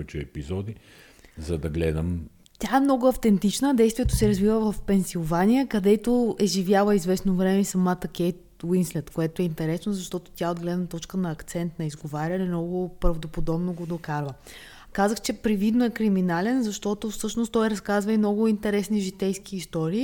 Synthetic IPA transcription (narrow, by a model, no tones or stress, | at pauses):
ɛt͡ʃɛɛpizɔd̪i | zɐd̪ɐɡlɛd̪əm | t̪ʲaɛmnɔɡʊɐft̪ɛnt̪it͡ʃnəd̪ɛjst̪vijɛt̪osɛɾɐzvivəvɐfpɛnsilˠvanʲijəkɐd̪ɛt̪oɛʒivjalˠəizvɛsnovɾɛmɛisɐmat̪ɐkʲɛjt̪ | winslɛt̪koɛt̪oɛint̪ɛɾɛsnozɐʃt̪ɔt̪o̥t̪ʲjaod̪ɡlɛd̪nət̪ɔt͡ʃkənɐːkt̪sɛnt̪nɐizɡovaɾʲəlimnɔɡʊpɾɐvd̪opod̪ɔbnoɡod̪okaɾvˠə | kazəxt͡ʃɛpɾivid̪noɛkɾiminalɛnzɐʃt̪ɔt̪ofsɤʃnost̪ɔjɾɐskazvəimnɔɡʊint̪ɛɾɛsniʒit̪ɛjsk̟iːst̪ɔɾiː